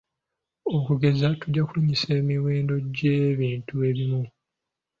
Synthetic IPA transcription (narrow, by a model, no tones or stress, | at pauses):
o̞kuɡe̞zatuɟːakuliɲiseːmiwe̞ːndo̞ɟeβiːntue̞βimu